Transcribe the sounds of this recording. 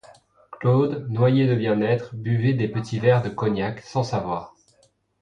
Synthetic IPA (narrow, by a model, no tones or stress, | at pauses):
klod̪nwajed̪əbjɛ̃nɛt̪χbyved̪epət̪ʰivɛʁd̪əkɔnjaksɑ̃savwaːʁ